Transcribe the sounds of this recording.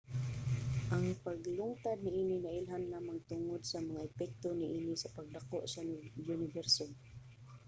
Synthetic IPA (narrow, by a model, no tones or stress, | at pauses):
ʔaŋpaɡlʊŋt̪ad̪̚nɪʔiːninaʔɪlɦanːaːmant̪ʊŋod̪samaŋaɛpɛk̚t̪onɪʔiːnisapaɡ̚d̪akoʔsaʊnɪvɛɾsom